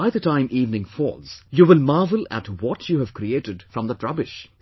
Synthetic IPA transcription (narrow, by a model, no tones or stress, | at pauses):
aɪðətãɪ̃mʔiːvnɪ̃ŋfɔ̰ːlˠz̥juʋɪlmɑːvəlæ̰ʈwɔtʰjuhæv̥kɾieʈɨdfɾʌ̃md̪ətɹʌbɪʃ